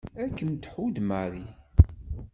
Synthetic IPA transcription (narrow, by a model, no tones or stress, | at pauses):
ækːənt̪ħud̪maɾi